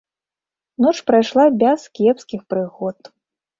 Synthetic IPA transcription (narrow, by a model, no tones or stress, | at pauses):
nɔt͡ʂpɾajʂlˠabʲaskʲɛpskʲixpɾɨɣɔt̪